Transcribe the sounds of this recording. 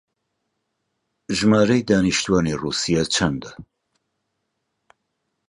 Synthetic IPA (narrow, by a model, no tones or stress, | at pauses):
ʒmaːɾɛjd̪aːniʃt̪ʰuwanirusijat͡ʃʰand̪a